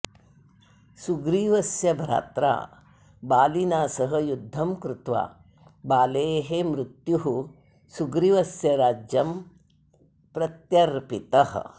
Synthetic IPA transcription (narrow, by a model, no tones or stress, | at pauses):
suɡɾiːʋɐsjɐbʱɐɾa̰ːt̪ɾa̰ː | baːlinaːsɐɦɐ̆jud̪ʱːɐmkɾut̪ʋa̰ː | baːleːɦemɾut̪juɦu | suɡɾiʋɐsjɐɾaːd͡ʒjɐm | pɾɐt̪jɐɾpit̪ɐɦ̆